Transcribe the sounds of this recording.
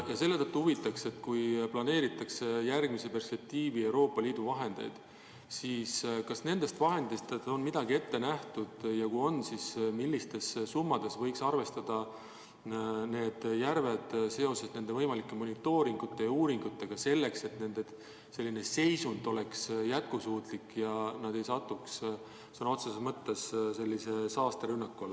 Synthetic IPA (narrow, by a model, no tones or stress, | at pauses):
jɑse̞lːe̞t̪ɤt̪ːuhuvit̪ːˑɑkse̞t̪kujplɑne̞ːɾit̪ːˑɑksejærɡmise̞pe̞rspe̞k̚t̪iːvie̞wɾo̞ːpːˑɑliːd̪uvɑɦe̞nd̪̥e̞̰jd̪̥ | siːskɑsne̞nd̪̥e̞st̪vɑɦe̞nd̪ist̪o̞nmid̪̥ɑɡ̥ie̞t̪ːe̞næht̪ud̪̥jɑkujo̞nsismilʲːist̪e̞ssumːɑd̪̥e̞svɤjksɑrve̞st̪ɑd̪̥ɑ | ne̞ːd̪̥jærve̞d̪̥se̞o̞se̞sne̞nd̪e̞vɤjmɑlikˑːe̞mo̞nit̪ːo̞ːɾiŋɡ̥ut̪ːˑe̞jɑuːɾiŋɡ̥ut̪ːˑe̞ɡ̥ɑse̞lːe̞kse̞t̪ne̞nd̪̥e | se̞lːine̞se̞jsund̪̥o̞le̞ksjæt̪̚kusuːt̪ˑlikːˑjɑnɑd̪̥e̞jsɑt̪ːˑuks | sno̞t̪sesemɤt̪ːe̞sse̞lːise̞sɑːst̪ɑɾynːɑkːuolː